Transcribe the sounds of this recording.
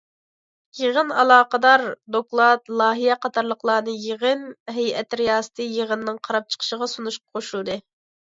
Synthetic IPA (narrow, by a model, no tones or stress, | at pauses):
jeʁənɑlˠɑːqəd̪ɑɾd̪oklˠɑt̪lˠɑːɦijɛqɑt̪ʰɑɾlˠəqlˠɑːnɨjeʁənɦɛjɛt̪ɾijɑːsɨ̥t̪ʰɨjeʁənːɨŋqʰɑɾɑp̚t͡ʃʰə̥qʰə̥ʃəʁɑsunuʃqɑ̥qʰoʃulˠd̪ɨ